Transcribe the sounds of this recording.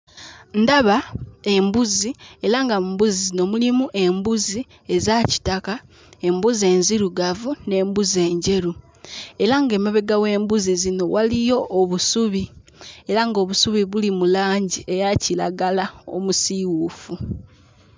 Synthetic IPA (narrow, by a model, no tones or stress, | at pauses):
ndaβae̞mbuzie̞ɾaŋɡabuzizno̞mulimuʔe̞mbuzi | e̞zaci̥taka | e̞mbuzie̞ːnziɾuɡavune̞ːmbuze̞ːɲɟe̞ɾu | e̞ɾaŋɡe̞ːmaβe̞ɡawe̞ːmbuzizino̞walijo̞ʔːβusuβi | e̞ɾaŋɡo̞βusuβiβulimulaːɲɟiʔe̞jacilaɡalao̞̰musiwufu